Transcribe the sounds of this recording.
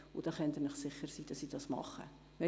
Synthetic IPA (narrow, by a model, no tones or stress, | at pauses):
ʊd̥ɑːχɛnt̪ənəχsɪχːəɾsiːd̥ɑsiːdɑsmɑ̰χːə̰ | mɛ